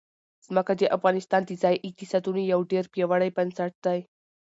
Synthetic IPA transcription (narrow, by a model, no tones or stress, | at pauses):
smakad͡ʑeʔəfɡanist̪ant̪it͡sajʔik̚t̪isat̪unijawʈiəɾpjəʋaɽəjpənsaʈ̚t̪aj